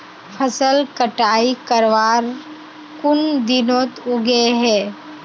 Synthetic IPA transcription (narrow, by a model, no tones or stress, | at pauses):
pʰəsəlkəʈaːikəɾʋaːɾ | kʊnd̪ɪnõːt̪ʊɡeɦɛː